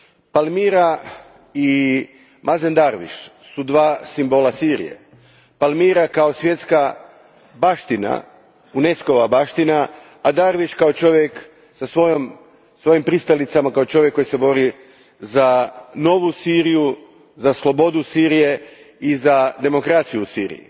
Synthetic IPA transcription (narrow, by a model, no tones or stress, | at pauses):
palmiɾa | i | mʔazend̪aɾʋḭʃ | sud̪ʋaːsimbo̞lasiɾḭje̞̰ | palmiɾakao̞sʋje̞t̪ska | baʃt̪ina̰ | une̞sko̞ʋabaʃt̪inaː | d̪aɾʋiʃkao̞t͡ʃo̞ʋjek | sasʋo̞jom | sʋo̞jimpɾist̪alit̪samakaot͡ʃo̞ʋjekːo̞jise̞bo̞ɾi | zano̞ʋusiɾiju | zaslˠo̞bo̞d̪usiɾije̞ | izad̪e̞mo̞kɾat̪sijusiːɾḭjḭ